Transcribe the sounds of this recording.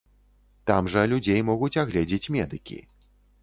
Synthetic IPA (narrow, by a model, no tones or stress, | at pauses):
t̪amʐɐlʲud͡zʲejmɔɣut͡sʲaɣlʲɛd͡zʲet͡sʲmʲɛd̪ɨkʲḭ